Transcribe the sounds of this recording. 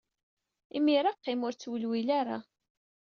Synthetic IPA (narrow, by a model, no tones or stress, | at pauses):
imiɾaqːɪmʊɾt͡sːwəlwilaɾa̰